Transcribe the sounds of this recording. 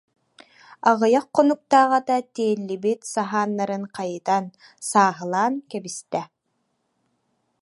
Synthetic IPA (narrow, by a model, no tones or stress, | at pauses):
aʁɯjaqːɔnuk̚t̪aːʁat̪at̪eːlːibit̪saɦaːnːaɾɯŋqajɯt̪an | saːɦɯlˠaːnkɛbist̪ɛ